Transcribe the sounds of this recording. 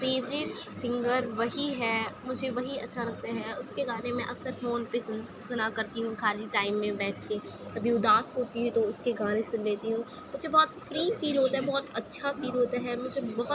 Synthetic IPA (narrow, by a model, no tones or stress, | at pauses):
feːʋɾɪʈsɪ̃ŋɡəɾʋɐɦiɦɛːmʊd͡ʒʱeʋɐɦiɐtːʃʰalɐk̚t̪aɦɛʊskeɡaːnemɛ̃ʔɐksəɾfoːnpes | sʊnakɐɾt̪iɦũkʰaːliʈaːɪmːẽbɛːʈʰke | ɐbʱiʊd̪aːsɦoːt̪iɦɛ̃t̪oʊskeɡaːnẽsʊ̃nleːt̪iɦũː | mʊd͡ʒʱebɔːt̪fɾiːfiːlɦoːt̪aɦɛbɔːt̪ɐtːʃʰafiːlɦoːt̪aɦɛmʊd͡ʒʱebɐɦʊ